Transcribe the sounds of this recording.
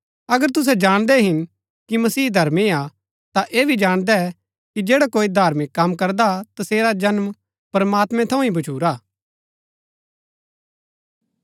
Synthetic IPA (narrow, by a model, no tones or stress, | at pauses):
ɐɡəɾt̪ʊs̬ɛd͡ʒaːɽ̃d̪ɛɦɪn | kimɐsiːd̪ʱɐɾmia | t̪aʔeːbʱid͡ʒaːɽ̃d̪ɛɛ | kid͡ʒeːɽakoːid̪ʱaːɾmɪkːɐmkɐɾd̪at̪ɐseːɾad͡ʒɐnm | pɾɐmaːt̪mɛ̃t̪ʰɐ̃ũɦĩbɐt͡ʃʰuːɾaː